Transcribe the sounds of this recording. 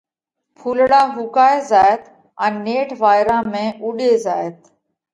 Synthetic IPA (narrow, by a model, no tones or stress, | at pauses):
pʰuːlɽaːɦuːkaːeːzaːt̪ | ɛ̃ːneːʈʰʋaːɪɾãːmẽːʔuːɗeːzaːet̪